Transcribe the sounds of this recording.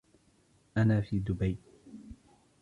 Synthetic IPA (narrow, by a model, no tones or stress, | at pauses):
ʔanaːfiːd̪ʊbaj